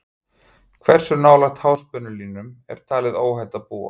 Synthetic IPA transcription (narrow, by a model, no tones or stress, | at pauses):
kʰvɛr̥sʏɾnaːwlaxt̪hawspœnʏlinʏmɛ̰ɾ̥t̪ʰaːlɪðoːwhajt̪apuːa̰